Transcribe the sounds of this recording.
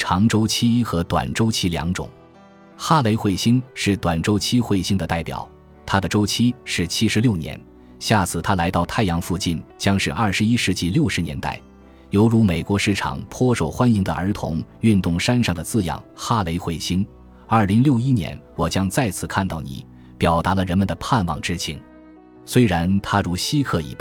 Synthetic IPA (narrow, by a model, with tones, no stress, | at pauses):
ʈ͡ʂʰɑ˧˥ŋʈ͡ʂo˥ʊt͡ɕʰi˥xɤ˧˥t̪wa̰˨˩nʈ͡ʂo˥ʊt͡ɕʰi˥ljɑ̰˧˥ŋʈ͡ʂʊ̰˨˩˦ŋ | xa˥le˧˥ɪxwe˥˩ɪɕi˥ŋʂɻ̩˥˩t̪wa˨˩nʈ͡ʂo˥ʊt͡ɕʰi˥xwe˥˩ɪɕi˥ŋd̪ə˨t̪a˥˩ɪpjɑ̰˨˩˦ʊ | t̪ʰa˥d̪ə˨ʈ͡ʂo˥ʊt͡ɕʰi˥ʂɻ̩˥˩t͡ɕʰi˥ʂɻ̩˧˥ljo˥˩ʊnjɛ̰˧˥n | ɕja˥˩t͡sʰɹ̩˥˩t̪ʰa˥la˧˥ɪt̪ɑ˥˧ʊt̪ʰa˥˩ɪjɑ˧˥ŋfu˥˧t͡ɕi˥˩nt͡ɕjɑ˥ŋʂɻ̩˥˧ʔɐ˞˥˩ʂɻ̩˧˥i˥ʂɻ̩˧˥t͡ɕi˥˩ljo˥˩ʊʂɻ̩˧˥njɛ˧˥nt̪a̰˥˩ɪ | jo˧˥ʊɻu˧˥me˨˩ɪkwɔ˧˥ʂɻ̩˥˩ʈ͡ʂʰɑ̰˨˩ŋpʰwɔ˥ʂo˨˩ʊxwa˥ni˧˥ŋd̪ə̰˧˨ʔə˞˧˥t̪ʰʊ̰˧˥ŋy˥˧nt̪ʊ˥˩ŋʂa˥nʂɑ˥˩ŋd̪ə˩t͡sɹ̩˥˩jɑ̰˨˩ŋxa˥˩le˧˥ɪxwe˥˩ɪɕi˥ŋ | ɐ˞˥˩li˧˥ŋljo˥˩ʊi˥njɛ̰˧˥nwɔ˨˩t͡ɕjɑ˥ŋt͡sa˥˧ɪt͡sʰɹ̩˥˩kʰa˥˧nt̪ɑ˥˩ʊnḭ˨˩˦ | pjɑ˨˩ʊt̪a˧˥lə˧ɻə˧˥nmə˨nd̪ə˩pʰa˥˧nwɑ̰˨˩ŋʈ͡ʂɻ̩˥t͡ɕʰi˧˩ŋ | swe˥ɪɻa˧˥nt̪ʰa˥ɻu˧˥ɕi˥kʰɤ˥˩ḭ˧˥˩p̪u˥˩